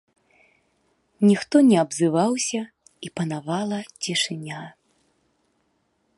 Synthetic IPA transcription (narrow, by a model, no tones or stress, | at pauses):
nʲixt̪ɔnʲɛabzɨvawsʲɐ | ipɐnavalˠɐt͡sʲɛʂɨnʲa